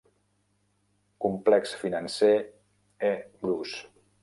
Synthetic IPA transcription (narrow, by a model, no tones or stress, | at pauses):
kumplɛksfinanse | ebɾus